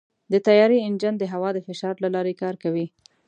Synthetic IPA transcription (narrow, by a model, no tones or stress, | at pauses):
d̪ət̪ajɑɾiɪnd͡ʒand̪əɦawɑd̪əfɪʃɑɾlalɑɾekɑɾkawi